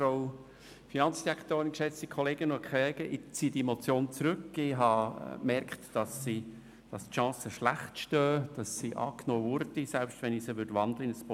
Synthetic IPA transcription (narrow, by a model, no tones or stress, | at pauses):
fɾoʊ | finɑnt͡sd̥iɾækχtoːɾənkʃɛt͡stikʰχɔleːɡ̥ənʊkʰχɛːɡ̥əʔɪt͡siːədimot͡sjoːnt͡sɾɵkɪɦɑmɛɾkχtd̥ɑsːi | d̥ɑstʃɑ̃ːsəʃlæχtʃtœːd̥ɑsːiʔɑ̰ːknoːvʊɾd̥isɛlpʃtvɛnɪsəʋʏdʋɑndləɪnəsp